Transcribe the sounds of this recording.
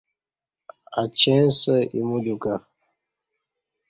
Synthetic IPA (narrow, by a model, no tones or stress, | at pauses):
at͡ʃɛ̃nsəḭmuduka